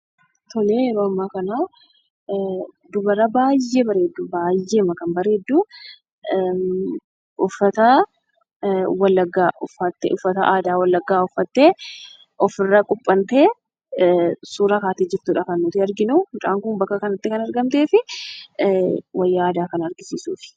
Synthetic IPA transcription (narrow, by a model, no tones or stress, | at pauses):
t̪ɔleːɛɾoːɐmːaːkɐnaː | d̪ʊbɐɾɐbaːjːebɐɾe̞ːd̪ːubaːjːeːmɐkɐnbɐɾe̞ːd̪ːuː | ʊfːɐt̪ɐ | wɐlːɐɡːaːʔʊfːɐt̪ːḛʊfːɐt̪ɐʔaːd̪aːwɐlːɐɡːaːʊfːɐt̪ːeː | ʔɔfɪrːɐkʼʊpʼːɐnt̪e̞ː | suːɾɐkaːt̪iːd͡ʒɪɾt̪uːᶑɐkɐnːʊt̪ɪɐɾɡɪnumʊt͡ʃa̰ːŋkʊnbɐkːɐkɐnɐt̪ːɪkɐnɐɾɡɐmt̪e̞ːfɪ | wɐjːɐaːd̪aːkɐnɐɐɾɡɪsiːsṵːfɪ̥